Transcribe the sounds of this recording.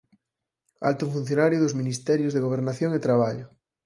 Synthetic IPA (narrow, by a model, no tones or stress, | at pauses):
a̰lt̪uɱfun̟θjonaɾjoðozminist̪ɛɾjozðeɣoβ̞eɾnaθjoŋet̪ɾaβ̞aʎo